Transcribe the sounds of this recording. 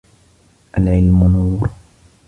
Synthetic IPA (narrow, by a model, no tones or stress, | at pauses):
ʔalʕɪlmʊnuːɾ